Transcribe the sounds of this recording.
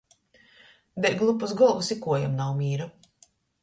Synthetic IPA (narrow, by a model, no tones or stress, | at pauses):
bʲɛt̪̚ɡlˠupːuzɡɔlˠɡusikuɔjamnawmʲiːɾa